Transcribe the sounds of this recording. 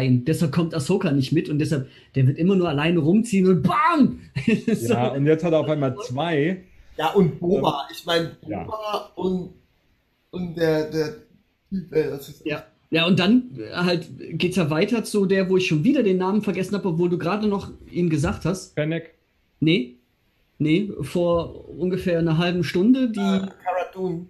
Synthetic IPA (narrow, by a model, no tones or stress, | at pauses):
ɪnd̥ɛshalp̚kʰɔmtasoʊkanɪçtmɪtʊnt̚d̥ɛshalp̚ | d̥eːɐvɪɐtʔɪmɐnuːɐalaɪnəʁʊmt͡siːənʊnt̚b̥aːm | joʊntjɛt͡sthateɐaʊfaɪmalt͡sv̥aɪjaːʔʊnt̚b̥oːaʔɪçmaɪnəb̥̰aʊnt | ʊntd̥eːɐdeːɐ | tʰyːpɛasijaː | jaːʊntd̥anhaltɡ̥eːt̚d̥aːvaɪtɐt͡sudeːɐvoːɪçʃoːnviːdɐdeːnːaːmənfɛɐɡɛsn̩haːbəɔpvoːlduːɡʁaːdənɔχʔiːnɡəzaːχthastpɛnɛk | nə | nəfoːɐʔʊnɡəfeːɐnɐɦalbm̩ʃtʊndədiːkʰaʁaduːn